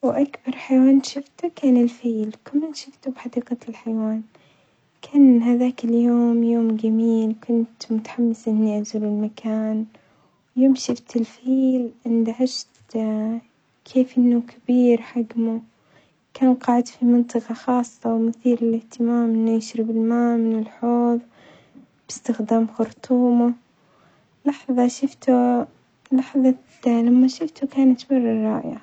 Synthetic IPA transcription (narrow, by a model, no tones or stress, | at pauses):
wʔakbɑɾˤħajwaːnʃɪft̪ukaːnɪlfiːlkamːanʃɪft̪ubħɑd̪iːqalħajwaːn | kʰaːnhaðaːkɪljoːmjoːmɡamiːlkʰʊnt̪mʊt̪ḁħamːɪsʔɪnːiʔazuːlɪlmakʰaːn | wjoːmʃɪft̪ɪlfiːlʔɪnd̪aʕad͡ʒt̪ | kʰeːfʔɪnːukʰabiːɾħaɡmu | kaːnqɑːʕɪd̪fimɨnt̪ˤɨqɑxɑːsˤːɑwmʊθiːlɪlɪht̪ɪmaːmʔɪnːajɪʃɾɪbɪlmaːmɪnɪlħoːðˤ | b̥ɪ̥st̪ɪxd̪aːmxʊɾt̪ˤuːma | lɑħðˤɑʃʊft̪u | lɑħðˤɑ | lamːaʃɪft̪ukaːnat̪bɑrˤːɑrˤːɑ̰ːʔja̰